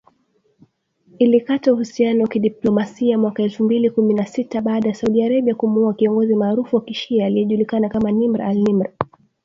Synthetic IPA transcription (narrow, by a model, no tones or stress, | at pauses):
ilikatauhusianɔwakiɗiplɔmasiamwakaɛlfumbilikuminasitaɓaːɗajasauɗiaɾaɓiakumuuakiɔŋɡɔzimaːɾufuwakiʃiaːlijɛʄulikanakamanimɾaalnimɾa